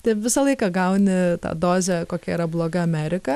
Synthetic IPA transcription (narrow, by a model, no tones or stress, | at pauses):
t̪ɐɪʋʲɪsɐlˠɐɪkɐɡɐʊnʲɪt̪ɐ̰ːd̪oːzʲɛkoːkʲɛiːɾɐblˠoːɡɐɐmʲæɾʲɪkɐ